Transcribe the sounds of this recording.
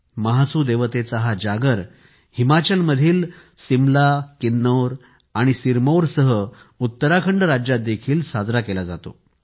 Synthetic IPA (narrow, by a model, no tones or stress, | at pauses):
məɦasuːd̪eʋət̪et͡saɦad͡ʑaɡəɾ | himat͡ɕəlməd̪ʱiːl | simlakinːəwɾ | aɽ̃isiɾmowɾsəɦə | ut̪ːəɾakʰəɳɖɾad͡ʑjat̪̚d̪ekʰiːlsad͡zɾakelad͡za̰t̪o̰